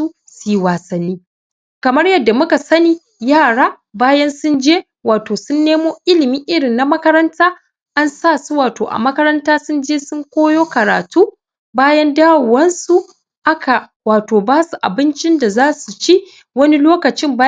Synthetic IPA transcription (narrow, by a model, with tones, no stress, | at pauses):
u˦ | su˨˦waː˨sɐ˨nːiː˦ | kɐ˨mɐ˦rjɐ˨dːa˨mʊ˦ka˨sɐ˦niː˦ | jaː˦˨ɽaː˦ | baː˦jɐ˦nsʊ˦nd͡ʒeː˦ | waː˨toː˨sʊ˦nːeː˦moː˦ʔɪ˦lɪ˨miː˦ʔɪ˦ɽɪ˨nːa˨mɐ˦kɐ˦ɾɐ˦ntaː˦ | ʔa˦nsaː˦˨su˦waː˨to̰ː˨ʔa̰˨mɐ˦kɐ˦ɾɐ˦ntaː˦sʊ˦nd͡ʒeː˦sʊ˦ŋkʷoː˦joː˦kɐ˨ɾa̰ː˨tuː˦ | baː˦jɐ˦ndaː˦wu˨wɐ˦nsu˨ | ʔa˦kʰa˨ | waː˨toː˨baː˦su˨ʔa̰˨bɪ˦nt͡ʃɪ˦nda˨zaː˦su˨t͡ʃi˦ | wɐ˦ni˦loː˦kɐ˨t͡ʃɪ˦mbaː˦